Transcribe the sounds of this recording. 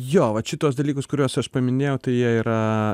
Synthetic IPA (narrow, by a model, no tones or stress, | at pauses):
joːʋɐt͡ʃʲɪt̪uɔsd̪ɐlʲiːkʊskʊɾʲuoɔsɐʃpɐmʲɪnʲeːjɛʊt̪ɐɪjiɛiːɾɐ